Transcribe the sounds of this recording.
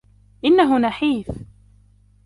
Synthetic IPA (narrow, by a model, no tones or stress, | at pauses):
ʔɪnːaɦʊnaħiːθ